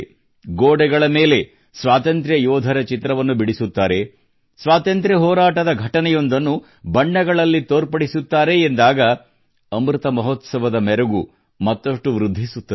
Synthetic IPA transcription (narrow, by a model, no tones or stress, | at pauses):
ɡoːɽɛɡɐɭɐme̞ːle̞ | sʋaːt̪ɐnt̪ɾjɐjɔːd̪ʱɐɾɐt͡ʃit̪ɾɐʋɐnːubiɽisut̪ːaːɾe̞ | sʋaːt̪ɐnt̪ɾjɐɦɔːɾaːʈɐd̪ɐɡʱɐʈɐnɛjo̞nd̪ɐnːu | bɐɳːɐɡɐɭɐlːit̪oːɾpɐɽisut̪ːaːɾe̞ːnd̪aːɡɐ | ɐmɾɯt̪ɐmɐɦot̪sɐʋɐd̪ɐmɛɾɐɡu | mɐt̪ːɐʂʈuʋɾud̪ʱːisut̪ːɐ